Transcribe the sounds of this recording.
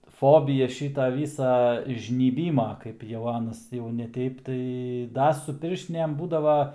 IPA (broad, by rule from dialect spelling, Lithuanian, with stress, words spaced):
ˈfoːbʲiːjɛ ˈʃʲiːtɐ ˈʋʲiːsɐ ʒʲnʲiːˈbʲiːmɐ ˈkɐɪp jɛʊ ˈɑːnɐs jɛʊ nʲɛ ˈtʲɛɪp tɐɪ ˈdɐ sʊ ˈpʲɪrʲʃʲtʲɪnʲeːm ˈbuːdɐʋɐ